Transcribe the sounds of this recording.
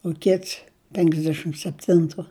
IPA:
ʊ ˈkʲɪts pʲɛŋɡzʲˈdʲæːʃʲɪm sʲɛpʲˈtʲɪntʊ

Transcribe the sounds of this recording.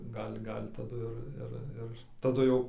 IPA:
ˈɡɐlʲ ˈɡɐlʲ tɐˈdʊ ɪr ˈɪr ˈɪr tɐˈdʊ jɛʊ

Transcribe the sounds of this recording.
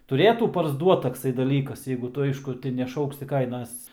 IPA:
tʊˈrʲeːtuː pɐrzˈduɔt tɐkˈsɐɪ dɐˈlʲiːkɐs jɛɪɡʊ ˈtʊ ˈɐɪʃkʊ tʲɪ nʲɛˈʃɐʊksʲɪ ˈkɐɪnɐs

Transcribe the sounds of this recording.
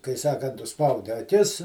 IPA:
kɐɪ ˈsɑːkɐnt ʊʃˈspɐʊdʲɪ ɐˈkʲɪs

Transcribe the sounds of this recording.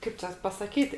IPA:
ˈkɐɪp t͡ʃʲɛ pɐsɐˈkʲiːtʲ

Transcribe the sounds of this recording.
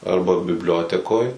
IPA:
ˈɐrbɐ bʲɪbʲˈlʲoːtʲɛkoːj

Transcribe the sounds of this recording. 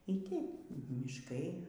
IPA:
iː ˈtʲɛɪp mʲɪʃˈkɐɪ

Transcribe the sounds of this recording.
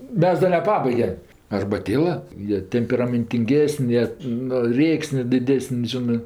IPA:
ˈmʲɛs ˈdɐ nʲɛˈpɑːbɐɪɡʲɛm ɐrbɐˈtʲeːlˠɐ ˈjiɛ tʲɛmʲpʲɛrɐmʲɛnʲtʲɪŋʲˈɡʲeːsənʲ ˈjiɛ nʊ ˈrʲeːksʲnʲeː dʲɪˈdʲæːsənʲ ˈʒʲɪnɜ

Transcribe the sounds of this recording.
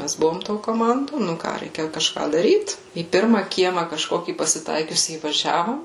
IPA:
ˈmʲæs ˈbʊʋoːm toː koːˈmɐndoː ˈnʊ kɑː ˈrʲɛɪkʲɛ kɐʃˈkɑː dɐˈrʲiːt iː ˈpʲɪrmɐ ˈkʲiɛmɐ kɐʃˈkoːkʲiː pɐsʲɪˈtɐɪkʲʊsʲiː iːʋɐˈʒʲæːʋoːm

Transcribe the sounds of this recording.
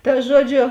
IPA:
tɐ ˈʒuɔˌd͡ʒʲoː

